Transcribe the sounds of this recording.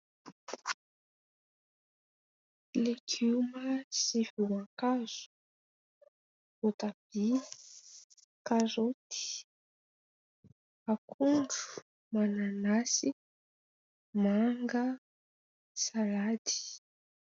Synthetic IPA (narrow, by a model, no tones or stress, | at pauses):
leɡuməsifiwãkaz̥u̥ | ot̪ab̥i | kaɾot̪i̥ | akʰuɳɖ͡ʐu̥ | mananasi | maŋɡə | salad̪i̥